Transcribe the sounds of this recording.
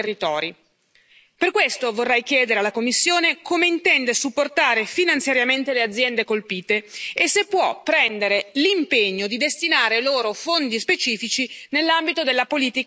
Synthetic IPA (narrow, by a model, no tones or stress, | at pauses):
rit̪ɔːɾi | perkwest̪ovorːɛjk̟jɛːd̪eɾealːakomːisːjoːnekʰomeint̪ɛnd̪esupːort̪aːɾefinant̪sjaɾjament̪elead̪zːjɛnd̪ekolpiːt̪eːsːepːwɔpːɾɛnd̪eɾelimpeɲːod̪id̪est̪inaːɾeloːɾofond̪ispet͡ʃiːfit͡ʃinelːambit̪od̪elːapoliːt̪i